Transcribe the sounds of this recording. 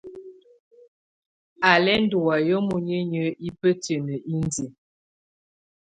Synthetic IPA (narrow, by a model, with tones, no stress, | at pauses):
a˨lɛ˦n˦du˨wa˨jə˦mu˨ɲə˦ɲə˦i˦pə˦tə˨nə˨ʔi˦n˦de˨